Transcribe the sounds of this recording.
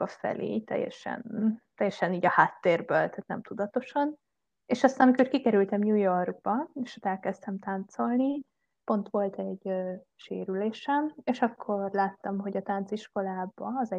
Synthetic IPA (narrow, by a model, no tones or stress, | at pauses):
ɒfɛ̰lʔḛːt̪ɛ̰jːɛ̰ʃɛ̰nt̪ɛjːɛʃɛniːɟɒhaːt̪ːeːrbøːlt̪aːt̪nɛ̰mt̪ud̪ɒt̪o̞ʃɒn | eːʃɒst̪aːnɒmikorkikɛɾylt̪ɛmjuːjorɡ̚bɒeʃɒt̪ɛlkɛst̪ɛmt̪ant̪so̞lni | po̞nt̪ʋo̞lt̪ɛɟ | ʃḛːɾyleːʃɛmeːʃɒkʰːo̞rlaːt̪ːɒmɦo̞ɟɒt̪ant̪siʃko̞laːbɒːzɛ